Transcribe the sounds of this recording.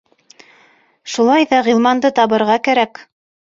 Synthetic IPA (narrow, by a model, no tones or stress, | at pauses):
ʃulˠɑjðɑʁilˠmɑnd̪ɤt̪ɑβɤ̆ɾʁɑkæɾæk